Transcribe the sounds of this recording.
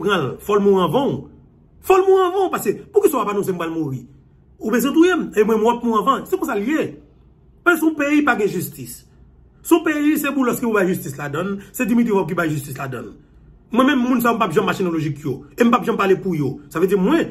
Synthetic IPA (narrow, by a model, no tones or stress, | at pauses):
pʁãlfɔlmũãvãũ | fɔlmũɐ̃vãpasepukisãpapanɔ̃s̬em̩palmuʁi | ubezɛ̃t̪ujem̩emw̃ɛ̃m̃ɔp̚mũɐ̃vɐ̃sekõs̬alje | pasesɔ̃peipaɡɛ̃ʒystis | sɔ̃peisebũlɔskeubajʒystisladʌ̃nsedimit̪iwɔb̚k̬ibajʒyst̪is̬ladʌ̰̃n | mwɛ̃mɛ̃mːũnsajom̩papʒãmmaʃenoloʒikjoem̩papʒãmpalepujosaved͡zimwɛ̃